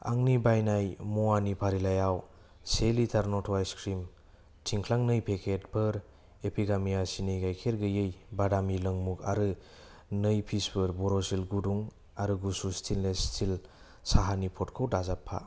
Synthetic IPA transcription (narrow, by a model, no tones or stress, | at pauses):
a̰ŋnibajnajmuanipʰaɾilajaw | selitʰaɾnɔtʰwajskɾim | tʰiŋkʰlaŋnɯjpʰekʰet̚pʰɯɾ | epʰiɡamijasinɯjɡajkʰeɾɡɯjɯjbadamilɯŋmuka̰ɾɯ | nɯjpʰisbɯɾbɔɾosilɡuduŋ | aɾɯɡusustʰinlestʰil | saɦanipʰɔtkʰɯwdazapʰːa̰